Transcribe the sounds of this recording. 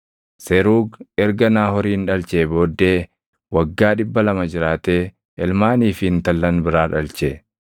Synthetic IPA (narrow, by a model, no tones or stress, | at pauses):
sɛɾuːɡɛɾɡɐnaːhɔɾiːnᶑɐlt͡ʃeːbo̞ːd̪ːeː | wɐɡːaːᶑɪbːɐlɐmɐd͡ʒɪɾaːt̪e̞ː | ʔɛlmaːniːfɪɪnt̪ɐlːɐnbɪɾaːᶑɐlt͡ʃe